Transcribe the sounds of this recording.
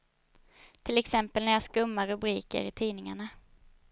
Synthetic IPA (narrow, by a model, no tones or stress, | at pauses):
t̪ʰɪlɛksɛmpəlnæjaʂkɵmːaɾɵbɾiːkə̰ɾɪt̪ʰiːnɪŋaɳa